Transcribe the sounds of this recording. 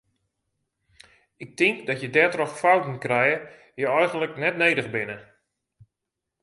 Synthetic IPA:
ɪk̚tɪŋkdɔtjədɛtrɔxfawtn̩krɛjə | jəɔjɣəndləknɛtnejdəɣbɪnə

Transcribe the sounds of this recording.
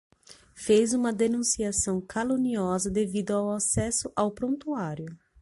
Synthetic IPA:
fejzũmɐd̪enũsiasɐ̃w̃kʰalõniɔzɐd̪evid̪ʊawasɛsʊʔawpɾõnt̪uaɾjʊ

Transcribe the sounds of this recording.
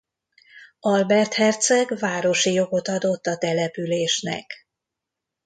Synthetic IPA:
ɒlbɛrt̪hɛrt̪sɛɡvaːɾo̞ʃijo̞ɡo̞t̪ɒd̪o̞t̪ːɒt̪ɛlɛpyleːʃnɛ̰k

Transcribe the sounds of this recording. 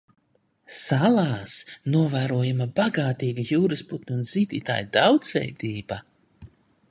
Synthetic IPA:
salˠaːsnuɔvæːɾuɔjamabaɡaːt̪iːɡajuːɾɨsput̪nʲiund̪z̥iːd̪ḭːt̪a̰ːjd̪awd̪z̥vɛ̰jd̪iːba

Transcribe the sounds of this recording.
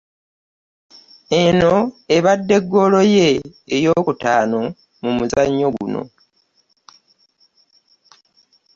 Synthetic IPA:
e̞no̞eβadːe̞ɡːo̞lo̞je̞ːjo̞ːkutaːno̞ | mumuzaɲːo̞ɡṵno̞̰

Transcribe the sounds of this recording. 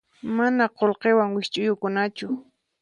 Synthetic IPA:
manaqolqewaŋwɪʃt͡ʃʼʊjʊkʊnat͡ʃʊ

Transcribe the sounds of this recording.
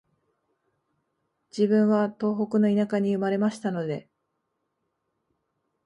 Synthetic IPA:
d͡ʑibɯ̟̃ɰ̃βat̪o̞ːɦo̞kɯ̟no̞inakaɲ̟iɯ̟maɾe̞maɕi̥t̪ano̞d̪e̞

